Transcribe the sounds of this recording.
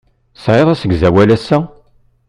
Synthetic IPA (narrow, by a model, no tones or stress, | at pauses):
sʕeðˤæsəɡzæwælæsːæ